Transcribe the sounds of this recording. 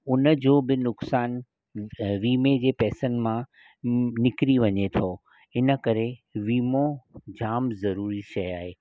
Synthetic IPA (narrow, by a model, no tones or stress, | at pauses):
ʊnə̆d͡ʑoːbɪnʊksaːn | ʋiːmed͡ʑeːpɛːsənɪ̆mã | nɪkɾiʋɐɲet̪ʰoː | ɪnə̆kɐɾeʋiːmõd͡ʑaːmzɐɾuːɾiʃɐjaːɦeː